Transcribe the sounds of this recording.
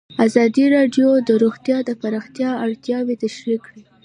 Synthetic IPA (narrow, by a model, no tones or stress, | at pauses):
azɑd̪iɾɑɖjod̪əɾoɣt̪jɑd̪əpaɾɑxt̪jɑaɽt̪jɑwet̪aʃɾikɽi